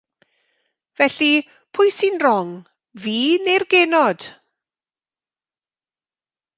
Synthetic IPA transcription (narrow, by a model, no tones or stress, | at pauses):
vɛɬi | pʰʊjsinrɔŋ | viːnerɡenɔd̥